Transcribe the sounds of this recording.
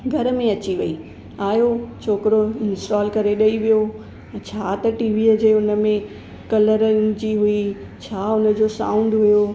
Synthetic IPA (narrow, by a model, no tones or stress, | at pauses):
ɡʱɐɾmẽɐt͡ɕiʋɐi | aːjot͡ɕʰoːkɪɾoɪnsʈaːlkɐɾeɗɐiʋijo | t͡ɕʰaːt̪ɐʈiːʋiːd͡ʑeːʊnə̆mẽ | kɐləɾd͡ʑiɦʊi | t͡ɕʰaːʊnə̆d͡ʑoːsã̰ːʊ̃ɳɖɦʊjo